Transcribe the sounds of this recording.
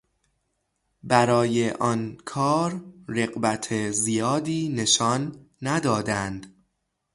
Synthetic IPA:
bæɾɒːjeʔɒnkʰɒːɾːeɢbæt̪ʰezijɒːd̪iːne̞ʃɒːnːæd̪ɒːd̪ænd̪̥

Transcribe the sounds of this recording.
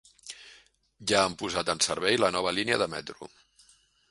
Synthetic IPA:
ʒaəmpuzat̪ənsə̰ɾβɛjlənɔβ̞əliniəðəmɛ̰t̪ɾṵ

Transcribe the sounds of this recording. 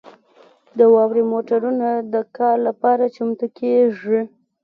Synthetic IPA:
d̪əwɑwɾimoʈaɾunad̪əkɑɾlapɑɾat͡ʃamt̪ukʰeʐi

